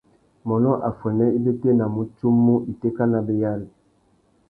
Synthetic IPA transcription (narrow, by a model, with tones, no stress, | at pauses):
mɔ˨nɔ˦ʔa˨fwɛ˨nɛ˦i˦be˦te˦na˨mo˨tu˦mːu˦i˨te˦ka˦na˨be˨ja˦li˨